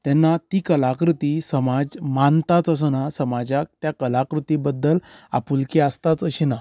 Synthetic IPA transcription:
t̪ɛnːat̪ikəlakɾut̪isəmad͡zmant̪at͡səs̬ənasəmad͡ʑak̚t̪jakəlakɾut̪ibəd̪ːəla̰pulkiast̪at͡səɕina

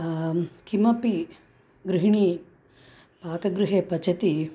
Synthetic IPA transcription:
kimɐpi | ɡɾɪɦɳi | paːkɐɡɾuɦeːpɐt͡ʃɐt̪i

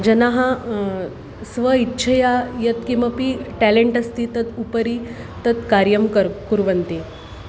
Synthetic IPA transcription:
d͡ʑənaɦã | sʋəitːɕʰəjajət̪kĩw̃ʋapiʈæleɳʈɐst̪it̪ət̪upəɾi | t̪ət̪kaɾjəmkəɾkuɾʋənt̪e

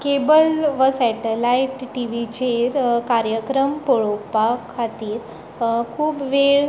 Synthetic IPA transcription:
kebəlʋəsɛʈelaiʈːiʋit͡ɕeɾkaɾjəkɾəmpoɭopakʰat̪iːɾ | kʰuːpʋeɭ

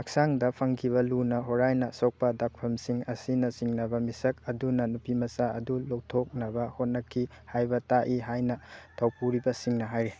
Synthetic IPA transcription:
ɐksaŋdɐpʰɐŋkʰiβɐlunɐɦoɾajnɐsok̚pɐdak̚pʰɐmsiŋɐsinɐsiŋnɐbɐmisɐk̚ɐdunɐnupimɐsaɐdulok̚tʰok̚nɐbɐhot̚nɐkʰːi | hajbɐtaʔiɦajnɐtʰɐwpuɾibɐsiŋnɐɦajɾe

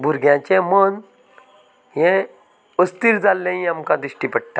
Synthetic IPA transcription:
bʱuɾɡjãt͡ɕẽmən | jɛ̃ | əst̪iːɾd͡zalːẽĩamkãd̪ɾiɕʈipəɽ̚ʈ̪a

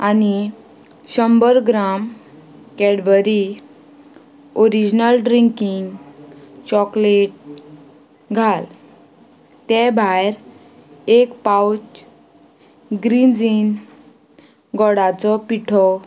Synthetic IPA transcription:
ani | ɕəmbəɾɡɾamkɛɽʋəɾi | oɾid͡ʑnəlɖɾiŋkiŋɡ | t͡ɕɔkleʈ̚ | ɡʱal | t̪ɛbʱajɾ | ekpawt͡ɕ | ɡɾind͡zin | ɡɔɽat͡sɔpiʈʰɔ

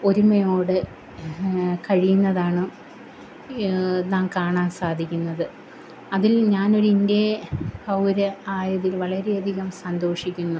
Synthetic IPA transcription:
o̞ɾumɐjo̞ːɽɨ | kɐɻijunːɐðaːɳɨ | naːŋkaːɳaːnsaːd̪ʱikʲːunːɐðɨ | ɐðilɲaːno̞ɾindehɐwɾɐaːjɐðilʋɐɭɐɾe̞ɐd̪ʱiɣɐmsɐnd̪o̞ːʂikʲːunːu

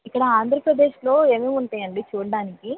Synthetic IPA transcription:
ikːɐɽɐaːnd̪ʱɾɐpɾɐd̪e̞ːʃlo̞ːe̞ːmeːmuɳʈaːjɐɳɖit͡ʃuːɽɐɽaːniki

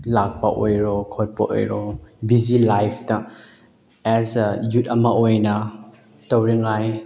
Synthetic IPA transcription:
lak̚paʔojɾɔkʰɔt̚pa̰ʔo̰jɾɔbizilajpʰta | ɛzjutɐmaʔojna | təwɾiŋaj

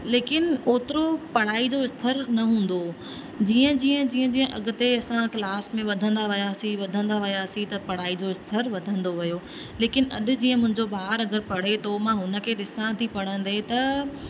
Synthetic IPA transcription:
leːkɪnoːt̪ɪɾopɐɽ̤aːid͡ʑoɪst̪ʰəɾnɐɦũːn̆d̪o | d͡ʑiːə̃d͡ʑiːə̃d͡ʑiːə̃d͡ʑiːə̃ʔɐɡʊ̆t̪eɐsãklaːsmẽʋɐd̪ʱə̃nd̪aʋɪjaːsiʋɐd̪ʱə̃nd̪aʋɪjaːsit̪ɐpɐɽ̤aːid͡ʑoɪst̪ʰəɾʋɐd̪ʱə̃nd̪oʋɐjoː | leːkɪnɐ̰ɗʊ̆d͡ʑiːə̃mʊ̃ɦɪ̃ɲd͡ʑoɓaːɾɐɡəɾpɐɽ̤et̪omãɦʊnə̆kʰeːɗɪsãt̪ʰipɐɽ̤ə̃nd̪et̪ɐ

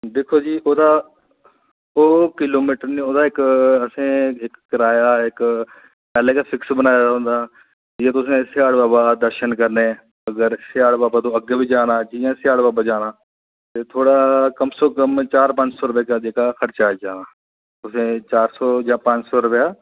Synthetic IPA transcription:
d̪eːkʰoːd͡ʒiːoːd̪aː | oːkɪloːmiːʈəɾnẽːoːd̪aːɪkəsẽːɪkːəɾaːjaːɪk | pɛːleːkafʰɪksbənaːjaɦõːnd̪aː | jeːt̪ʊsẽːsɪjaːɽbaːbaːd̪əɾʃənkəɾne | əɡəɾsɪjaːɽbaːbaːt̪õːəɡeːbiːd͡ʒaːnaːd͡ʒiːãːsɪjaːɽbaːbaːd͡ʒaːnaː | t̪eːt̪ʰoːɽaːkəmsoːkəmt͡ʃaːɾpə̃ɲd͡ʒsɔːɾʊpeːkaːd͡ʒeːkaːxəɾt͡ʃaːd͡ʒaːnaː | t̪ʊsẽːt͡ʃaːɾsɔːjãːpə̃ɲt͡ʃsɔːɾʊpjaː

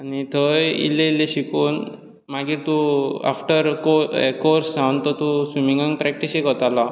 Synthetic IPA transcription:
anit̪ʰəjḭlːẽilːeɕikuːn | maɡit̪ua̰fʈəɾo̰koɾsãnt̪ət̪usimiŋɡaŋɡpɾɛk̚ʈisekɔt̪ala

